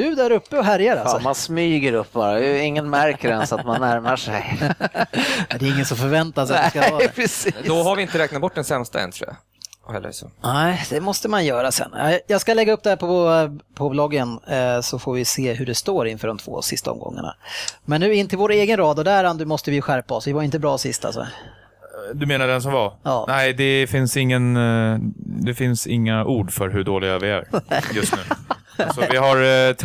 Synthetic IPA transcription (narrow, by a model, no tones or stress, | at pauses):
d̪ɵ̟d̪æɾɵpːəɔɦæɾjaɾalsmansmyːɡəɾɵpːbɑːɾaɪŋːənmæɾkəɾɛ̰nsat̪manːæɾmaʂɛ̰j | d̪ɛɪŋːənsɔmfœɾvɛnt̪asat̪skaːpʰɾɛsiːd̪ɔɦaɾvɪɪnt̪əɾɛːknat̪̚bɔʈ̚ːɖ̪ɛnsɛmst̪aɛ̰nt̪ʰṵa̰ | hɛ̰lːə̰sɔ̰nɛɪd̪̥ɛmɔst̪əmanjœːɾasɛ̰nːɑ̰jɑːɡskalɛɡːaɵp̚ːd̪ɛhæɾpʰɔpʰɔblɔɡːənsɔfoːɾvɪseːɦɵɖɛst̪oːɾɪnfœːɖɔmt̪ʰv̥o̰ːsɪst̪aɔ̰mɡɔ̰ŋːa̰ɳa̰mɛnːʉ̟ːɪnt̪ʰɪlvoːɾeːɡənɾɑːd̪ɔd̪æɾand̪əmɔst̪əvɪjɵɧæɾpaɔsvɪvaɾɪnt̪əbɾɑːsɪst̪a̰lsɔ̰ | d̪ɵmeːnaɖɛns̬ɔmvajɑːnæɪd̪ɛfɪnsɪŋːən | d̪ɛfɪnsɪŋːaʔuːɖfœɾɦɵɖoːlɪɡavɪæ̰ɾjɵst̪nʉ̟ː | sɔvɪɦaɾʰ